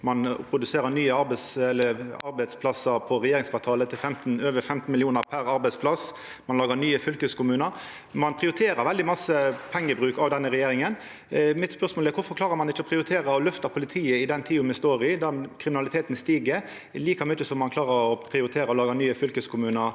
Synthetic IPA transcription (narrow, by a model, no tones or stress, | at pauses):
mɑnpʰɾʊd̪ʉseːɾənyːəɑɾbsɛlːəɑɾbæɪd̪spʰlɑsəɾpʰɔɾɛjeːɾɪŋsfɑʋt̪ʰɑːlət̪ʰɪlfɛmt̪n̩øːʋəfɛmt̪n̩mɪlɪuːnəɾpʰæɾɑɾbɛɪd̪spʰlɑs | mɑnlɑːɡənyːəfʏlkəskʊmʉːnə | mɑnpʰʁɪʊɾɪt̪ʰeːɾəɾʋɛld̪ɪmɑsəpʰɛŋːəbʁʉːkɑʋd̪ɛnːəɾɛjeːɾɪŋən | mɪt̪spœʁsmolæɾʋʊɾfɔɾkʰlɑːʁəɾmɑnɪt͡ʃːəɔpɾɪʊɾɪt̪ʰeːʁəɔlœft̪ɑpʰʊlɪt̪ʰiːəɪd̪ɛnt̪ʰiːʊmɛst̪oːɾɪd̪ɑkʰɾɪmɪnɑlɪt̪ʰeːt̪nst̪iːɡəɾ | liːkɑmʏtːəsɔmːɑnkʰlɑːʁəɾɔpʰɾɪʊɾɪt̪ʰeːɾəɔlɑːɡənyːəfʏlkəskʰʊmʉːnəɾ